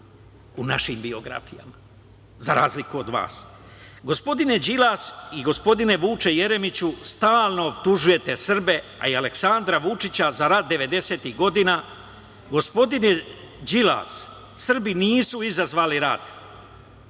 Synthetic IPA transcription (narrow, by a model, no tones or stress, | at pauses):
unaʃimbio̞ɡɾa̰fija̰ma | zaɾaːzlikuod̪ʋa̰ːs | ɡo̞spo̞d̪ine̞d͡ʑilasiɡo̞spo̞d̪ine̞ʋuːt͡ʃeje̞ɾe̞mit͡ɕust̪aːlˠno̞obt̪uʒuje̞t̪e̞sr̩be̞ | a̰iale̞ksand̪ɾaʋut͡ʃit͡ɕazaɾat̪̚d̪e̞ʋe̞d̪e̞se̞t̪iɣɡo̞d̪ina | ɡo̞spo̞d̪ine | d͡ʑila̰ːs | sr̩biniːsuizazʋaːliɾad̪̥